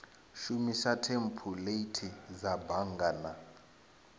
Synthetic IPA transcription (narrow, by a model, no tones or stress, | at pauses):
ʃumiʃatʰempʰuleitʰizabaŋɡana